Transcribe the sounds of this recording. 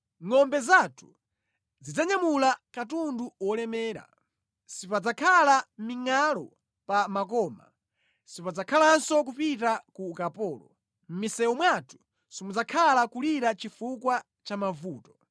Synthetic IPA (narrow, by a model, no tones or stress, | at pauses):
ŋɔmbɛzatʰu̥ | zid͡zaɲamulakatunduwɔlɛmɛːɾa̰ | sipad͡zakʰalamiŋalɔ | pamakɔːma̰ | sipad͡zakʰalansɔk̬upitakukapɔːlɔ̰ | m̩misɛwɔmwatʰu̥ | simud͡zakʰalakuliɾat͡ʃifukwa | t͡ʃamavuːtɔ̥